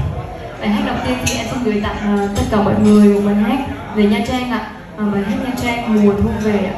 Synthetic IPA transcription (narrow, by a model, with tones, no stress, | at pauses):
ɓa̰ː˨˩jɦaː˦˥k̟̚ɗə˨˩wŋ͡mt̪i˧ənt̪ʰi˨˩ʔɛ̰˧˥mkə˧nɗɨ˨˩əjt̪a̰ː˧˨˩k̚aː˨˩t̪ə˦˥t̚kaː˧˩mɔ̰˧˨t̚ŋɨ˨˩əj̚ɓa˨˩nɦaː˦˥k̚ | ve˨˩ɲaː˧t͡ɕaː˧ŋʔa̰ː˧˨ | aː˨˩ɓaː˨˩jɦaː˦˥k̚ɲaː˧t͡ɕa˧ŋː˨˩mu˨˩ənt̪ʰu˧əŋve˨˩˧